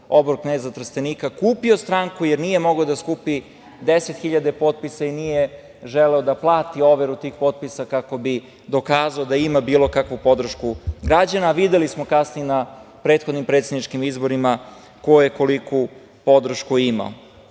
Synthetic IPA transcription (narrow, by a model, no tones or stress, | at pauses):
o̞bɾoknezat̪r̩st̪eniːkakuːpio̞st̪ɾaŋkujeɾnije̞mo̞ɡaod̪askuːpi | d̪eset̪xiʎad̪epo̞t̪̚pisainije | ʒeleod̪aplˠaːt̪io̞ʋeɾut̪iːxpo̞t̪̚pisakako̞bi | d̪o̞kaːzaod̪aimabiːlˠo̞kakʋupo̞d̪r̩ʃkuɡɾad͡ʑanaːʋid̪e̞lismo̞kasnijenapɾet̪xod̪nimpɾet̪sed̪nit͡ʃkimizbo̞ɾima | kojujeko̞liku | po̞d̪r̩ʃkuima̰o